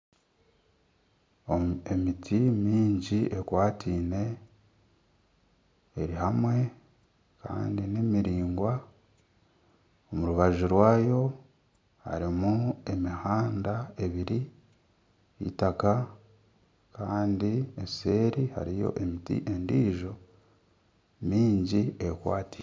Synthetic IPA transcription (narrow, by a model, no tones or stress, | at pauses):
oe̞mitʰimiːɲɟiʔe̞kwaːtʰiːne̞ | eɾihamwe̞ | ka̰ːndinemiɾiːŋɡwa | omuɾuβaʒuɾwaːjo̞ | ha̰ɾimue̞mihaːndae̞βiɾi | ḭtaka | kaːndiese̞ːɾiha̰ɾijo̞̰ʔe̞mitḭʔe̞ndiːʒo̞ | miːɲɟiekwa̰ːti̥ː